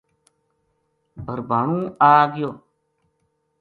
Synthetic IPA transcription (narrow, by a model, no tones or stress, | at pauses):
bʱəɾbaːɳũːaːɡɪjoː